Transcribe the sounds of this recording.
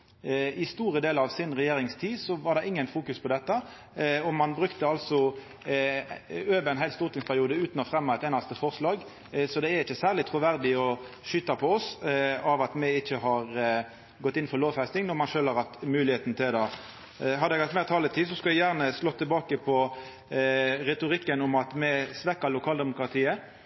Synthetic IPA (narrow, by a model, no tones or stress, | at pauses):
ɪst̪uːʁəd̪eːləɾɑʋsɪnʁɛjeːɾɪŋst̪ʰiːsɔʋɑʁd̪ɛʔɪŋːənfuːkʉspʰɔd̪ɛt̪ːɑ | ɔmɑnbɾʉkt̪əɑlsɔ | øːʋəɾɛnɦæɪlst̪ʊʁt̪ɪŋspʰæʁɪuːd̪əʉːt̪nɔfɾɛmːɑɛt̪eːnɑst̪əfɔʁslɑːɡ | sɔd̪ɛæɾɪçːəsæːʁlɪt̪ʰɾʊʋæɾd̪ɪɔʃʏt̪ːɑpʰɔɔsɑʋɑt̪mɛɪçːəɦɑɾ | ɡɔt̪ːɪn̩ːfɔʁloːʋfæɪst̪ɪŋnɔʁmɑnʃøːlhɑɾʁhɑt̪mʉːlɪheːt̪n̩t̪ʰɪld̪ɑ | ɦɑd̪ɛɡhɑt̪mɛːʁt̪ʰɑːlət̪ʰiːsɔskɑʋɛjæːʁnəslɔt̪ʰːɪlbɑːkəpʰɔ | ʁɛt̪ʊʁɪkːənʊmɑt̪mɛsʋɛkːəɾlʊkʰɑːld̪ɛmʊkʁɑt̪ʰiːə